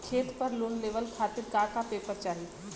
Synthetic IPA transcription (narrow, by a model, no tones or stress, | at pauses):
kʰeːt̪pəɾloːnleːʋəlkʰaːt̪ɪɾkaːkapeːpəɾt͡ʃaːɦi